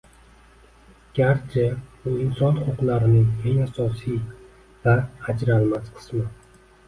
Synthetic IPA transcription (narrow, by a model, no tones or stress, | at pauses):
ɡ̥ʲaɾt͡ʃʰɪb̥ʊɪnsɒnʊχʊqlaɾɪnɪŋeŋasɒsij | vahad͡ʒɾalmasqʰɨ̥smɪ